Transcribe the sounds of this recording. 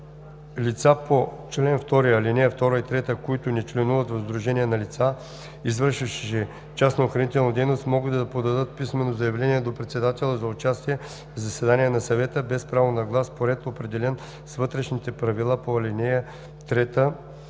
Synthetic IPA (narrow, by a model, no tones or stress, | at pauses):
lit̪sapot͡ʃlɛnft̪ɔɾijɐlinɛjəft̪ɔɾəit̪ɾɛt̪əkoit̪ʊnɛt͡ʃlɛnuvət̪vɐzd̪ɾʊʒɛnʲiɛnɐlit̪sa | izvɤɾʃəʃʃɛ | t͡ʃasnɐoxɾɐnit̪ɛlˠnɐd̪ɛjnost̪mɔɡət̪d̪ɐpod̪ɐd̪ɤt̪̚pismɛnozɐjɐvlɛniɛd̪opɾɛt̪sɛd̪at̪ɛlˠəzɐʊt͡ʃast̪iɛ | zɐsɛd̪anijɛnɐsɐvɛt̪əbɛspɾavonɐɡlˠaspoɾɛt̪opɾɛd̪ɛlɛn | svɤt̪ɾɛʃnit̪ɛpɾɐvilˠapoɐlʲinɛjə | t̪ɾɛt̪ə